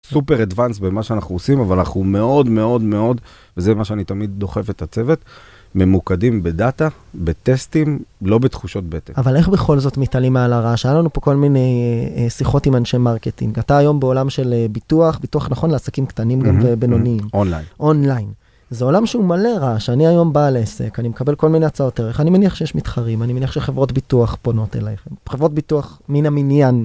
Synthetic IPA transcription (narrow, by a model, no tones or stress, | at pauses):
supeʁadvansbemaʃeanaχnuosimavalana̰χnume̞o̞dme̞o̞d̪me̞o̞d̪ | vezemaʃeanit̪amid̪̚ːo̞χe̞fet̪at͡se̞vet̪ | me̞mukadimbedat̪a | bet̪est̪imlo̞bet̪χuʃo̞t̪̚bet̪eavale̞χbe̞χo̞lzo̞tmitalimealaʁaʃajalanupo̞ko̞lmine̞jsiχo̞timanʃejmaʁketḭŋɡataːjo̞mbeo̞lamʃe̞lebituaχbituaχnaχo̞nleasakimktanimɡamvebenoniimona̰jnʔo̞nlajn | zeo̞lamʃeumale̞ʁaʃeaniajo̞mbaːlese̞̰kanimekabe̞lko̞lmineat͡sao̞teʁeχanimeniaχʃejeʃmitχaʁimanimeniaχʃeχe̞vʁo̞tbituaχpono̞tḛlajχχevʁot̚bituaχminaminjan